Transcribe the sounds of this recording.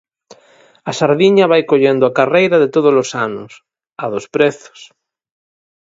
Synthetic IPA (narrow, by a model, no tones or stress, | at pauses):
ɐsaɾðiɲɐβajkoʎend̪ʊakarejɾɐðet̪oð̞ozlosanʊ̰s | ɐðospɾeθʊ̥s